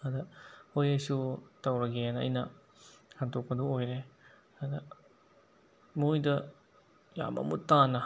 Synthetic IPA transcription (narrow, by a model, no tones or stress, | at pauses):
ɐdɐojajsutɐwɾɐɡenɐ̰jnɐ | hantok̚pɐdoojɾe | ɐdɐ | mujdɐ | ja̰mɐ̰mutːanːɐ